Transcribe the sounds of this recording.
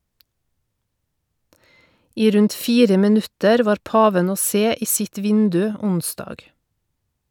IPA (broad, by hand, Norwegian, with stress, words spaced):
ˈiː ˈɾʉnt ˈfiːɾə mɪˈnʉtəɾ ˈʋɑːɾ ˈpɑːʋən ˈoː ˈseː ˈiː ˈsɪt ˈʋɪndʉ ˈʊnˌsdɑːɡ